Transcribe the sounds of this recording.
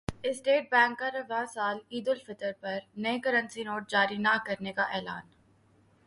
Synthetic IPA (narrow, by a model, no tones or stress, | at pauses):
ɪsʈeːʈ̚bɛ̃ːŋkːaɾɐʋãsaːliːd̪ʊlfɪt̪əɾpɐɾnɐekɐɾə̃nsinoːʈ̚d͡ʒaːɾinɐkɐɾnekaʔɛːla̰ːn